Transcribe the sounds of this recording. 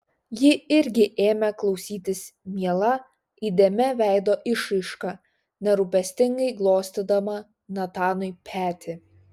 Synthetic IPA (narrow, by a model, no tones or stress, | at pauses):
jɪɪɾʲɡʲɪʔeːmʲɛklˠɒʊsʲiːt̪ʲɪsmʲiɛlˠɐ | id̪ʲeːmʲɛʋʲæˑɪd̪oːʔɪʃɪʃkɑ | nʲɛɾuːpʲɛsʲt̪ʲɪŋɡɐɪɡlˠoːsʲt̪ʲɪd̪ɐmɐ | nɐt̪ɑːnɔɪpʲʰæːt̪ʲɪ